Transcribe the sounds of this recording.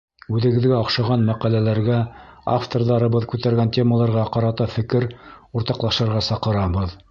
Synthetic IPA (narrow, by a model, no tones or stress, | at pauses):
ʉðɘ̆ɡɘ̆ðɡæɑqʃɑʁɑnmæqælælæɾɡæa̰ft̪orðɑɾɤ̆βɤðkʉt̪æɾɡæntʲe̞məlˠɑɾʁɑqɑɾɑt̪ɑfɘ̆kɘɾuɾt̪ɑqlˠɑʃɤ̆ɾʁɑsɑqɤ̆ɾɑβɤð